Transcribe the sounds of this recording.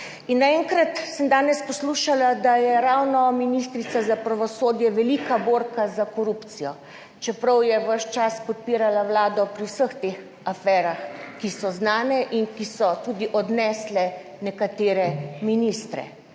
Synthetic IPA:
inːaɛŋkɾat̪səmd̪aːnɛspɔsluʃalad̪ajɛɾawnɔminist̪ɾit̪sazapɾaʋɔsoːd̪jɛʋɛlikaboɾkazakɔɾupt̪sijɔ | t͡ʃɛpɾəwjɛʋəʃt͡ʃaspɔt̪̚piːɾalawlaːd̪ɔpɾiwsəxt̪eːx | afɛːɾaxkisɔznaːnɛʔinkisɔt̪ud̪iʔɔd̪nɛːslɛ | nɛkat̪eːɾɛminist̪ɾɛ̰

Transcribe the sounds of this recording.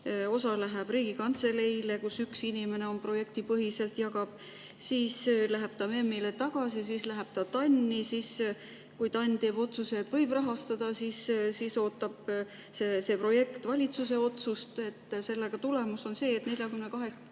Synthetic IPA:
o̞sɑlæɦeb̥ɾiːɡ̥ikɑnt̪se̞le̞jle̞kusyksinʲime̞ne̞o̞npro̞je̞kt̪ipɤɦise̞lt̪jɑɡɑb̥ | siːslæɦeb̥t̪ɑme̞mːile̞t̪ɑɡ̥ɑsis̬islæɦeb̥t̪ɑt̪ɑnʲːisis | kujt̪ɑnʲt̪e̞ːbo̞t̪suse̞t̪vɤ̞jb̥rɑɦɑst̪ɑd̪ɑsissiːso̞ːt̪ːˑɑb̥ | sese̞pro̞je̞kt̪vɑlʲit̪suse̞o̞t̪sust̪e̞t̪ːse̞lːeɡ̥ɑt̪ule̞muso̞nse̞ːt̪nelʲjɑkymnekɑɦe̞k

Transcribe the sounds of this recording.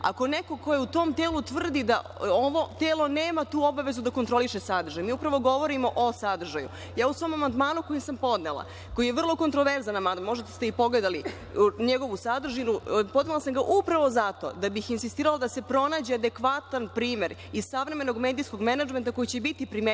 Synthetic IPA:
a̰ko̞neko̞ko̞jeut̪o̞ːmt̪eːlut̪ʋr̩d̪id̪a̰ | oʋo̞t̪eːlˠo̞neːmat̪uːo̞baʋe̞zud̪ako̞nt̪ɾo̞liʃesad̪ɾr̩ʒajmiːupɾaʋo̞ɡo̞ʋo̞ɾimo̞ʔosad̪r̩ʒaju | jaːusʋoːmamand̪maːnuko̞jimsampo̞d̪nelˠa̰ | ko̞jijeʋr̩lˠo̞ko̞nt̪ɾoʋeɾzanamand̪mo̞ʒd̪at̪st̪eipo̞ɡled̪ali | ɲeɡo̞ʋusad̪r̩ʒinupo̞d̪nelˠasamɡaʔupɾaʋo̞zat̪o̞̰d̪abixinsist̪iːɾalˠad̪ase̞pɾo̞naːd͡ʑead̪e̞kʋat̪anpɾiːmeɾiz̥saʋɾe̞me̞no̞ɡmeːd̪isko̞ɡmenad͡ʒment̪ako̞jit͡ɕe̞bit̪ipɾime

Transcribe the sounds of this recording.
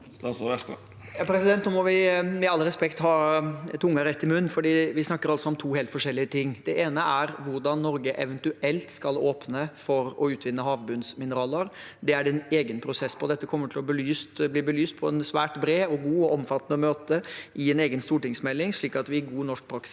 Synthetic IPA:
ɑsɛst̪ | jɑpʰɾɛsɪd̪ɛnt̪nʊmɔʋɪmɛɑlːəɾɛspɛkt̪hɑːt̪ʰʊŋːəɾɛt̪ːɪmʉnːfɔɖiːʋɪsnɑkːəɾɑlsɔɔmt̪ʰuːheːlt̪fɔʂɛlːɪət̪ʰɪŋːd̪̥ɛʔeːnəʔæɾʋʊɾɖɑnːɔɾɡəʔɛʋənt̪ʉɛlt̪skɑloːpnəfɔɾɔʉːt̪ʰʋɪnːəɦɑːʋbʉnsmɪnəɾɑːləɾ | d̪ɛæɖɛneːɡənpʰɾʊsɛsːpʰɔd̪ɛt̪ːəkʰɔmːəʈʰɪlɔbəlyːst̪bliːbəlyːst̪̚pʰɔɛnsʋæːʈbɾeːɔɡuːɔʔɔmfɑt̪ːɑnəmøːt̪əʔɪɛneːɡənst̪uːʈɪŋsmɛlːɪŋʂɭiːkɑt̪ʋɪæɡuːnɔʂk̚pʰɾɑksɪ

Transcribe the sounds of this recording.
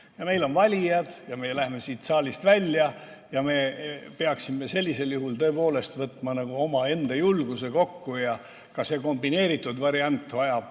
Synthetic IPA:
jɑme̞jlo̞nvɑlʲijɑd̪̥jɑmelæhme̞siːt̪sɑːlʲist̪vælʲːjɑ | jɑme̞peɑksimːe̞se̞lʲːise̞ljuɦult̪ɤ̞e̞po̞ːle̞st̪vɤt̪ːˑmɑnɑɡ̥uo̞mɑe̞nd̪̥ɑjulɡ̥use̞ko̞kːujɑ | kɑse̞ko̞mbine̞ːɾit̪ːˑud̪vɑɾiɑnt̪ːˑvɑjɑb̥

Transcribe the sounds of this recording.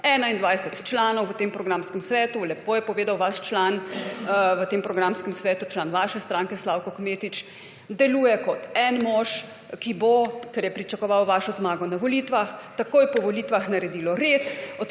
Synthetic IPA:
ɛːnaind̪ʋajsɛt̪t͡ʃlaːnɔwʋət̪eːmpɾɔɡɾaːmskɛmsʋɛːt̪ulɛpoːjɛpɔʋeːd̪awʋaʃt͡ʃlan | ʋət̪eːmpɾɔɡɾamskəmsʋɛːt̪ut͡ʃlaːnʋaːʃɛst̪ɾaːŋkɛslaːwkɔkmeːt̪it͡ʃ | d̪ɛluːjɛkɔt̪ɛnmɔʃ | kibokɛɾjɛpɾit͡ʃakɔʋawʋaːʃɔzmaːɡɔnaʋɔlit̪ʋaxt̪akoːjɛpɔʋɔliːt̪ʋaxnaɾɛd̪iːlɔɾet̪ɔ

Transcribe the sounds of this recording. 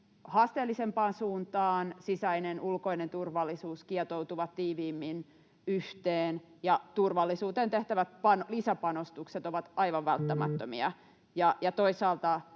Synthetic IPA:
hɑːst̪eːlːisempɑːnsuːnt̪ɑːnsisæinenʔulkoinent̪urʋɑlːisuːskiɛt̪out̪uʋɑt̪t̪iːʋiːmːin | yht̪eːnjɑt̪urʋɑlːisuːt̪eːnt̪eht̪æʋæt̪̚pɑnlisæpɑnost̪ukset̪oʋɑt̪ɑiʋɑʋʋælt̪ːæmæ̰t̪ːømiɑ | jɑjɑt̪oisɑːlt̪ɑ

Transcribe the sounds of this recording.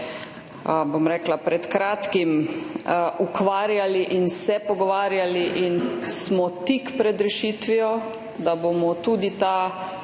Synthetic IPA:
bomɾɛːklapɾɛt̪kɾaːt̪kim | ʔukʋaːɾjaliʔinsɛpɔɡɔʋaːɾjaliʔinsmɔt̪ikpɾɛd̪ɾɛʃiːt̪ʋiɔ | d̪abomɔt̪uːd̪it̪a

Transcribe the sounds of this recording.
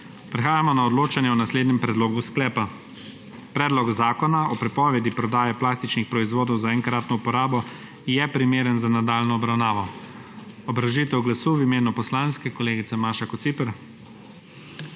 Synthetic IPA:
pɾɛxaːjamɔnaɔd̪loːt͡ʃanjɛɔnasleːd̪nɛmpɾɛd̪loːɡusklɛːpa | pɾɛːd̪lɔɡzaːkɔnaɔpɾɛpɔːʋɛd̪ipɾɔd̪aːjɛplaːst̪it͡ʃnixpɾɔizʋoːd̪ɔwzaɛŋkɾaːt̪nɔupɔɾaːbɔ | jɛpɾimeːɾənzanad̪aːlnɔːbɾawnaːʋɔ | ɔbɾaʒiːt̪ɛwɡlasuːwimeːnupɔslaːnskɛkɔleːɡit̪sɛmaːʃakɔt̪sipɛɾ

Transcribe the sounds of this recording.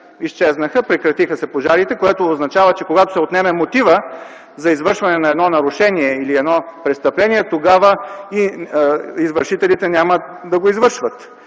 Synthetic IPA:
ist͡ʃɛznəxəpɾɛkɾɐt̪ixəsɛpoʒaɾit̪ɛkoɛt̪oːznɐt͡ʃavət͡ʃɛkoɡat̪o̥sɛot̪nɛmɛmot̪ivə | zɐizvɤɾʃvɐnɛnɐɛd̪nɔnɐɾʊʃɛniɛiliɛd̪nɔpɾɛt̪st̪ɐplɛniɛt̪oɡavəi | izvəɾʃit̪ɛlit̪ɛnʲaməd̪ɐɡoizvɤɾʃvət̪

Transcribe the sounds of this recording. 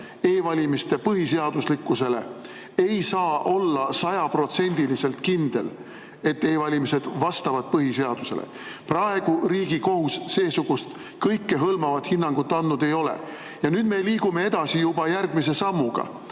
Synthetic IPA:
e̞ːvɑlʲimist̪e̞pɤɦis̬e̞ɑd̪̥uslikːˑuse̞le̞̰ | e̞jsɑːʔo̞lːɑsɑjɑpro̞t̪se̞nʲd̪̥ilise̞lt̪kind̪̥e̞̰l | e̞t̪ːe̞ːvɑlʲimise̞d̪̥vɑst̪ɑvɑd̪̥̚pɤɦise̞ɑd̪̥use̞̰lḛ | prɑe̞ɡ̥uɾiːɡiko̞ɦusːe̞ːsuɡ̥ust̪ | kɤjkːe̞ɦɤlmɑvɑt̪hinːɑŋɡ̥ut̪ːɑnd̪nud̪e̞jo̞lḛ | jɑnyːd̪̥me̞liːɡ̥ume̞ed̪̥ɑsijubɑjærɡ̥mise̞sɑmːuɡ̥ɑ̰

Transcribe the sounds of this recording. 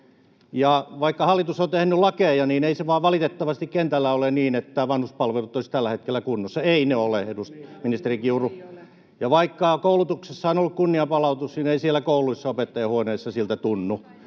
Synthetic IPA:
jɑʋɑikːɑhɑlːˑit̪usont̪ehnylɑkejɑniːneiseʋɑːʋʋɑlit̪et̪ːɑʋɑst̪ikkent̪ælːæoleniːnet̪ːæʋɑnhuspɑlʋelut̪ːoisi̥t̪ælːæhet̪̚kelːˑækunːosːɑeineolehedust̪minist̪erikiuru | jɑʋɑikːɑkoulut̪uksesːɑonolːukkunːiɑpɑlɑut̪usnineisielːˑækouluisːɑopet̪ːɑjɑhuoneːsːɑsilt̪æt̪unːu

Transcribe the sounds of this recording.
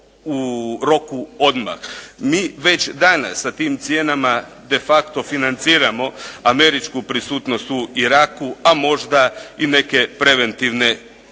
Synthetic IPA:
uɾo̞kuo̞d̪ma̰xmiːʋe̞t͡ɕd̪ana̰sːat̪iːmt̪sijeːnama | d̪e̞fakt̪o̞finant̪siːɾamo̞ame̞ɾit͡ʃkupɾisuːt̪no̞st̪uiɾaːkuamo̞ʒd̪aine̞ke̞pɾe̞ʋe̞nt̪iʋne̞

